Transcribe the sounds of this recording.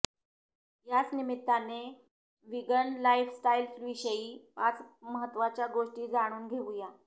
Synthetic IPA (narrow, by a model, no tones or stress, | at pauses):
jat͡snimit̪ːane | ʋiɡəɳlaifsʈailsʋiʂəiːpat͡sməɦət̪ːʋat͡ɕjaɡoʂʈiːd͡zaɽ̃uːnɡʱeʋuja